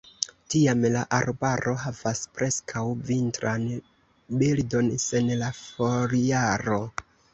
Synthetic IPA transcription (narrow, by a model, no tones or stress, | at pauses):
tiamlaʔaɾbaɾʔo̞ɦavaspɾʔe̞skʰawvintɾan | bildo̞nse̞nlafoɾiaɾo̞